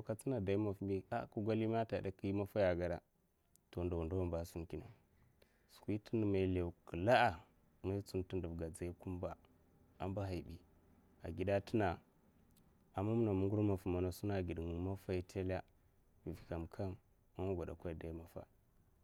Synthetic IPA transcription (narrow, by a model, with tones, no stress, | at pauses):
o˨ka˦t͡si˦na˨da˨i˦ma˨fmi˦a̰˦ku˦ɡʷa˦li˦ma˦ta˨da˨ki˦ma˦fa˦ja˨ɡa˨ɾa̰˦ | to˨nda˨wu˨nda˦wa˦mba˦su˦nki˦na̰˨ | su̥˨kʷi˦tə˦n˨ma˨le˨u˨kə˨la˦a˨ | ma˦i˦t͡su˦nti˦ndu˨ɡa˨d͡za˦i˦ku˦mba˨ | a˦mba˦ɦa˨i˨bi˨ | a̰˨ɡi˨da˦tə˦na˨ | a˨mːa˦mu˦na˨mu˦ŋɡu˦ɾma˨fu˨ma˨na˨su˦na˦˨ɡi˨dŋ˨ma˦fa˦ji˨tʰe˦la˦ | i˨vi˨ka˨mkʰa˦n | a˦na˦ɡʷa˨da̰˨kʷa˦i˨da˨˦i˦ma˨fa̰˦